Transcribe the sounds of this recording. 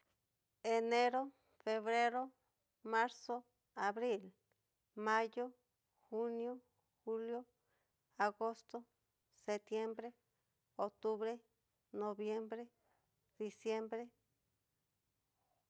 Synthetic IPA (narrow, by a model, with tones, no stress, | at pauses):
e˨ne˦ɾo˦ | fe˨βɾe˦ɾo˦ | ma˦ɾso˦ | a˨βɾi˦˨l | ma˦jo˦ | xu˦njo˦ | xu˦ljo˦ | a˨ɣo˦st̪o˦ | se˨t̪je˦mbɾe˦ | o˨k̚t̪u˦βɾe˦ | no˨βje˦mbɾe˦ | d̪̥i˨sje˦mbɾe˦